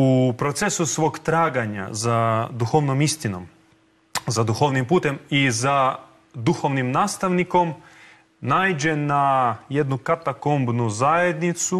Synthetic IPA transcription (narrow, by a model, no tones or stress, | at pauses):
upɾo̞t̪se̞susʋo̞ːɡt̪ɾaːɡaɲa̰zad̪uxoʋnomist̪ino̞̰m | zad̪uxoʋnimpuːt̪e̞miza | d̪uxo̞ʋnimnaːst̪aʋniko̞m | naːjd͡ʒe̞naje̞d̪nukat̪akombnuzajed̪nit̪su